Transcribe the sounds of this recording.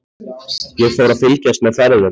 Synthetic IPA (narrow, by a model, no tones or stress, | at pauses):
jɛɣfowɾaðfɪlcast̪̚mɛðfɛɾðʏ